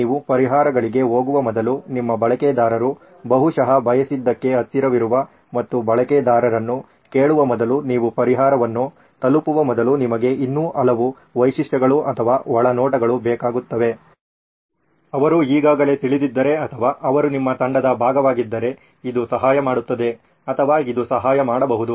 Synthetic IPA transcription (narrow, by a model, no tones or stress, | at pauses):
iːʋupɐɾiɦaːɾɐɡɐɭiɡe̞ɦo̞ːɡuʋɐmɔd̪ɐlunimːɐbɐɭɐkɛːd̪aːɾɐɾu | bɐɦuʂɐɦɐbʱɐjɐsid̪ːɐkːe̞ɐst̪ːiɾɐʋiɾuʋɐ | mɐt̪ːubɐɭɐkɛːd̪aːɾɐɾɐnːu | keːɭuʋɐmɔd̪ɐluniːʋupɐɾiɦaːɾɐʋɐnːu | t̪ɐlupuʋɐmɔd̪ɐlunimɐɡe̞ʔinːuːʔɐlɐʋu | ʋɐjʃiʂʈɐɡɐɭuʔɐt̪ʰɐʋaːɔɭɐnɔːʈɐɡɐɭubɛːkaːɡut̪ːɐʋe̞ | ɐʋɐɾuiːɡaːɡɐle̞ːt̪iɭid̪id̪ːɐɾe̞ɐt̪ʰɐʋaːʔɐʋɐɾunimːɐt̪ɐɳɖɐd̪ɐbʱaːɡɐʋaːɡid̪ːɐɾe̞ | id̪usɐɦaːjɐmaːɽut̪ːɐd̪e̞ | ɐt̪ʰɐʋaːid̪usɐɦaːjɐmaːɽɐbɐɦud̪u